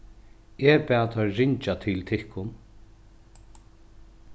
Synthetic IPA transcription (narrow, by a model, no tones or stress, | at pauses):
ɛpɛːt̪ʰɔɾɪɲt͡ʃat̪ʰɪlt̪ʰɪhkʊn